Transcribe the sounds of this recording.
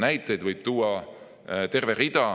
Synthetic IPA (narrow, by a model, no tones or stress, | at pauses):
næjt̪ːˑe̞jd̪vɤjb̥̚t̪uːɑ | t̪e̞rverid̪̥ɑ